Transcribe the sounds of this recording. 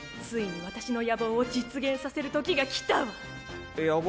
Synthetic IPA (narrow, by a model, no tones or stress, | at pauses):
t͡sɨiɲ̟iβat̪aɕino̞jaboːd͡ʑit͡sɨɡẽ̞ɰ̃sase̞ɾɯ̟t̪o̞kʲiɡakʲi̥t̪aɯ | ja